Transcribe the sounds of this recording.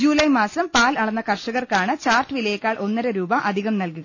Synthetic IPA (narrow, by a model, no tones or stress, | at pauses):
d͡ʑuːlɐjmaːsɐmpaːlɐɭɐnːɐkɐrʂɐɣɐrkaːɳɨt͡ɕaːrʈːɨʋilɐjekːaːɭʔo̞nːɐɾeɾuːbɐʔɐd̪ʱiɣɐmnɐlkuɣɐ